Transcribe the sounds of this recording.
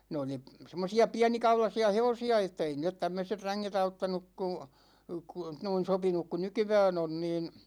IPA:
ne oli semːosiɑ piænikɑulɑsiɑ heʋosiɑ etːæ ei niːlːet tæmːøset ræŋːet ɑutːɑnuk ku ku noin̞ sopinuk ku nykyʋæn on niːn

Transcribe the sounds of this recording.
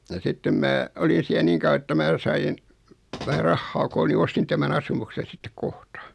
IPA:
jɑ sitːem mæː olin̞ siæ niŋ kɑuɑ etːæ mæː sɑin ʋæhæ rɑhːɑː koːl ni ostin tæmæn ɑsumuksen̞ sitːek kohtɑ

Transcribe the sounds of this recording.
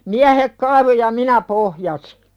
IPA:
miæhek kɑiʋo jɑ minæ pohjɑsi̥

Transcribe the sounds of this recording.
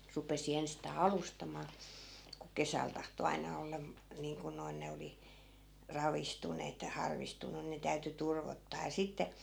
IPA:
rupesi enstɑː ɑlustɑmɑː ku kesæl tɑhto ɑinɑ olːɑ niːŋku noin ne oli rɑʋistuneːt jɑ hɑrʋistunˑu ne tæyty turʋotːɑː jɑ sitːe

